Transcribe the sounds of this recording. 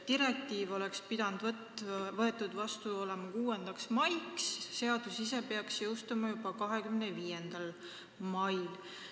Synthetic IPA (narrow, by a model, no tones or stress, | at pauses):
t̪iɾe̞k̚t̪iːvo̞le̞kspid̪̥ɑnd̪̥v | vɤe̞t̪ːˑud̪̥vɑst̪uo̞lemɑkuːe̞nd̪̥ɑksmɑjksːe̞ɑd̪̥usise̞peɑksjowst̪ɑmɑjub̥ɑkɑɦe̞kymneviːje̞nd̪̥ɑl | mɑjl